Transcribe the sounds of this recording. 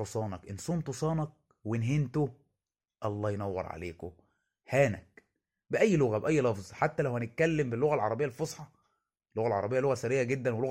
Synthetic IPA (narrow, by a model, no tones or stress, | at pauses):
osˤɑːnɑkʔensˤomt̪osˤɑːnɑk̚ | wenɦent̪o | ʔɑlˤːɑːjnæwːɑ̰ɾˤʕa̰leːko | hæːnæ̰k̚ | bɪʔæjːlʊɣæbʔæjːlɑfzˤħat̪ːælæwhænɪt̪̚kælːembɪlːoɣælʕɑɾˤɑbejːælfosˤħɑ | elːoɣælʕɑɾˤɑbejːæloɣæsæɾejːæɡed̪ːænweloɣ